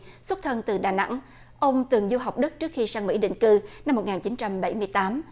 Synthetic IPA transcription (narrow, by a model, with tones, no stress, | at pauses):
swə˦˥t̚t̪ʰə˧nt̪ɨ˨˩ɗaː˨˩na̰˧˥ŋ | ʔə˧wŋ͡mt̪ɨ˨˩əŋzu˧ɦa˨˩wk͡p̚ɗɨ˦˥k̚t͡ɕɨ˦˥ək̚xi˧saː˧ŋmḭ˧˥ɗḭ˧˨ŋ̟kɨ˧na˧m̚ː˨˩ŋaː˨˩nt͡ɕi˨˦nt͡ɕa˧mɓa˧˩jmɨ˧əjt̪aː˨˦m